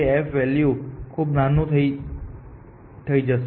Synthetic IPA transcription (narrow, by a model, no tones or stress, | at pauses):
eɛfʋɛljukʰubnanũt̪ʰəi | t̪ʰəid͡ʒəs